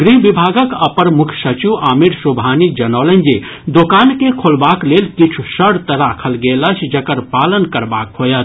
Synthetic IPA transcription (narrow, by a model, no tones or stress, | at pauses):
ɡɾibibʱaːɡəkəpəɾmʊkʰsət͡ʃiʔaːmiɾsobʱaːnid͡ʒɐnɔːlə̃nd͡ʒe | d̪okaːnkekʰolbaːkleːlkit͡ʃʰusəɽt̪ɐɾakʰəlɡeːləsʰd͡ʒɐkəɾpaːlənkəɾbaːkɦoːjət̪